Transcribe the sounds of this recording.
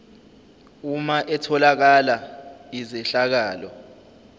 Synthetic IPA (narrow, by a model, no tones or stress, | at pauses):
umaʔɛtʰɔlak̬alaizɛɬak̬aːlɔ